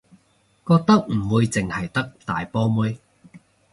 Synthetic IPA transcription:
kɔː˧k̚t̪ɐ˥k̚m̩˨˩wuː˧jt͡sɪ˨ŋhɐ˨˩jt̪ɐ˥k̚t̪aː˨jpɔː˥mu˥j

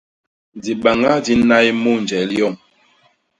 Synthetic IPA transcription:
di˨ɓa˨ŋa˦di˨˦na˦jmu˦˨n˨d͡ʒɛ˨˦ljɔ˦˨ŋ

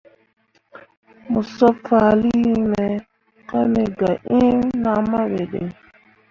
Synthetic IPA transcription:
mu˨sɔ˦fa˨li˦me˨ | ka˦me˨ɡa˨ʔi˦na˨ma˦we˨dḛ˨

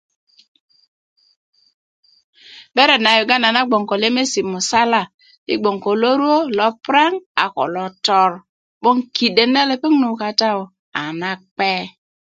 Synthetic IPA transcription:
be˦ɾe˨na˨ju˨ɡa˦na˨na˦ɡ͡bo˨ŋko˨le˦me˦si˨mu˨sa˦la˦ | ḭ˦ɡ͡bo˨ŋko˨lo˦ɾu˦o˦lɔ˨˦pɾe˦ŋa̰˨ko̰˨lɔ˨tɔ˦ɾ | ɓo˦ŋki˨de˨ne˦le˨pe˦ŋnu˨ka˨ta˦o˨ | a˨na˦k͡pe˦

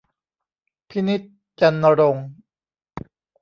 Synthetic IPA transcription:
pʰi˦˥ni˦˥t̪̚ | t͡ɕa˧nːa˧ɾo˧ŋ

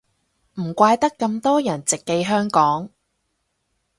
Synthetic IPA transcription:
m̩˨˩kʷaː˧jt̪ɐ˥kːɐ˧mt̪ɔː˥jɐ˨˩nt͡sɪ˨kːe˧jɦœː˥ŋkɔː˨˥ŋ

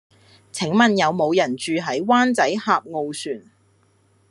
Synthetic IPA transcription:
t͡sʰɪ˨˥ŋmɐ˨njɐ˨˧wmo˨˧wjɐ˨˩nt͡ʃyː˨ɦɐ˨˥jwaː˥nt͡sɐ˨˥jhaː˧p̚ŋo˨˧wsyː˨˩n

